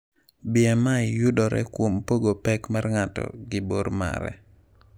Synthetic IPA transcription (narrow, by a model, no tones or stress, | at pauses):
bɪɛmaɪjudɔɾɛ̰kwompoɡopɛkmarŋatɔ̰ɡɪboɾma̰ɾɛ̰